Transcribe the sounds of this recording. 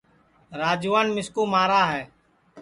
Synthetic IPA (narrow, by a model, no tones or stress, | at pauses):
ɾaːd͡ʒuːʋaːnmɪskuːmaːɾaːɦɛː